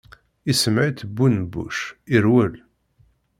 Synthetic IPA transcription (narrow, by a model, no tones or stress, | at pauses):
isəmʕit̪əbːunbṵʃiɾwəl